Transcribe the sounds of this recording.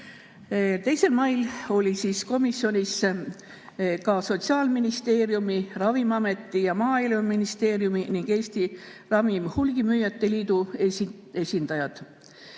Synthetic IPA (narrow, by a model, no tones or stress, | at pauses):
t̪e̞jse̞lmɑjlo̞lʲisiːsko̞misːio̞nʲis | kɑso̞t̪siɑːlminist̪e̞ːɾjumirɑvimɑme̞t̪ːˑijɑmɑːiluminist̪e̞ːɾjuminiŋɡ̥e̞ːst̪irɑvimhulɡ̥imyjːɑt̪ːe̞liːd̪̥ue | e̞sʲind̪̥ɑjɑd̪̥